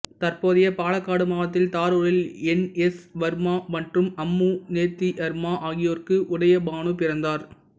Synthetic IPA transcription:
t̪ɐrpoːðɪjɐpaːɭɐkːaːɽɯmaːʋɐt̪̬ːɪlt̪aːɾoːɻɪlɛnɛsʋɐɾmaːmɐʈrɯmɐmːuneːt̪ːiʔɐɾmaːʔaːɣɪjoːrkɯʔʊɽɐjɐbaːɳɯpɪɾɐnd̪aːɾ

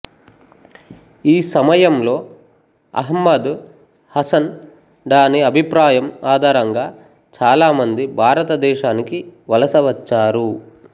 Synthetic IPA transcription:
iːsɐmɐjɐmlo̞ː | ɐ̰ɦɐmːɐd̪ | hɐsɐn | ɖ̪aːniɐbʱipɾaːjɐmaːd̪ʱaːɾɐŋɡaː | t͡ʃaːlaːmɐnd̪ibʱaːɾɐt̪ɐd̪ɛːʃaːnikiʋɐlɐsɐʋɐt͡ʃːaːɾu

